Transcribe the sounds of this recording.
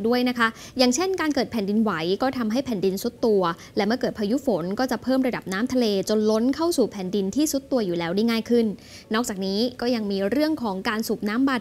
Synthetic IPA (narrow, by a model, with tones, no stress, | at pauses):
du˥˩əjna˦˥kʰa˦˥ʔjaː˨˩ŋt͡ɕʰe˥˩nkaː˧nkɤː˨˩t̪̚pʰɛː˨˩ndi˧nwa˩˦jkɔː˥˩t̪ʰa˧mɦa˥˩jpʰɛː˨˩ndi˧nsu˦˥t̪ːu˧ɐ | lɛ˦˥mɯ˥˩ɐkɤː˨˩t̪̚pʰa˧ju˦˥fo˩˦nkɔː˥˩t͡ɕa˨˩pʰɤː˥˩mɾa˧da˨˩p̚naː˦˥mt̪ʰa˧leː˧t͡ɕo˧nlo˦˥nkʰa˥˩wsuː˨˩pʰɛ˨˩ndi˧nt̪ʰiː˥˩su˦˥t̪ːu˧ɐjuː˨˩lɛː˦˥wda˥˩jŋaː˥˩jkʰɯ˥˩nː | ɔː˥˩k̚t͡ɕaː˨˩k̚niː˦˥kɔː˥˩ja˧ŋmiː˧ɾɯ˥˩əŋkʰɔː˩˦ŋkaː˧nsuː˨˩p̚naː˦˥mbaː˧˩